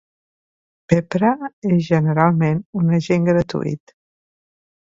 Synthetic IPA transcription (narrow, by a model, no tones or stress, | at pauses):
pepɾəezʒənəɾalˠmenunəʒeŋɡɾət̪ṵḭt̪